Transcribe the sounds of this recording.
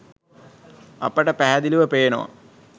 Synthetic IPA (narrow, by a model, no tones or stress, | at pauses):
ɐ̰pəʈəpæɦæd̪iluʋəpeːnoʋa̰